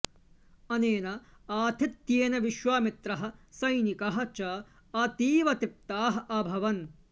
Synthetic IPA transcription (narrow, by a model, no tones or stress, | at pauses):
ɐneːnɐaːt̪ʰit̪jeːnɐʋiʃʋaːmit̪ɾɐɦɐ̆sɐjnikɐɦɐ̆t͡ʃɐ | ɐt̪iːʋɐt̪ip̚t̪aːɦɐɐbʱɐʋɐn